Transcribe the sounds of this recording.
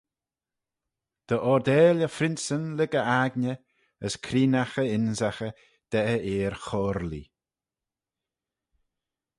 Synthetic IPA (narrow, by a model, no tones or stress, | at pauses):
d̪̥əʔɔɾd̪ɛːləfɾɪnsənlɪɡəʔaɡnə | əskʰɾiːnaxəɪnzaxə | d̪̥ɛʔəeːɾxɔːɾlḭ